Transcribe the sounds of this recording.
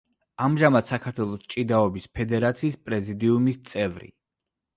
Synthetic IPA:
amʒamad̪sakʰaɾt̪ʰwɛlˠɔst͡ʃʼid̪aɔbispʰɛd̪ɛɾat̪sʰiːspʼɾɛzid̪iumist̪sʼɛvɾḭ

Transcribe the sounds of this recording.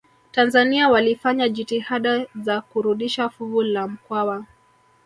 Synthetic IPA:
tanzaniawalifaɲaʄitihaɗazakuɾuɗiʃafuvulam̩kwawa

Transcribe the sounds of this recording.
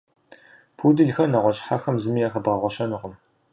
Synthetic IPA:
pʰudɨɮxɐnɐʁʷɔɕʼħaxɐmzɨmiːɐxɐbʁɐʁʷɔɕɐnɨʁʊm

